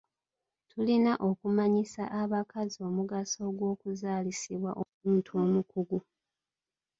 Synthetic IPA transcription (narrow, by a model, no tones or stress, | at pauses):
tʰulinaʔo̞kumaɲisa̰ʔaβakazio̞muɡaso̞ɡwo̞ːkuzaːlisiβwa̰ʔomuːntuo̞ːmukuɡu